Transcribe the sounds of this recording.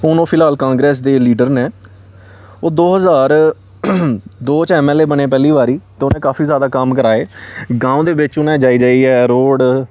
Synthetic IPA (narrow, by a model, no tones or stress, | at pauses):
oːnõːpʰɪlaːlkãːŋɡɾɛːsd̪eːliːɖəɾneː | oːd̪oːɦəzaːɾ | d̪oːt͡ʃɛːmɛːleːbənẽːpɛːliːʋaːɾiːt̪eːoːnẽːkaːfiːzjaːd̪aːkəmkəɾaːeːɡãːũːd̪eːʋɪt͡ʃʊnɛ̃ːd͡ʒaːiːd͡ʒaːiːɛːɾoːɽ